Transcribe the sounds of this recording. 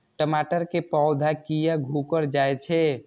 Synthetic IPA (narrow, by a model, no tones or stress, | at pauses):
ʈəmaʈəɾkepawd̪ʱakijaɡʱukəɾd͡ʒajt͡ʃʰɛ